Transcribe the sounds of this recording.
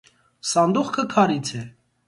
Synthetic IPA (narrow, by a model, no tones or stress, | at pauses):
sɑnd̪uχkʰəkʰɑɾit͡sʰɛ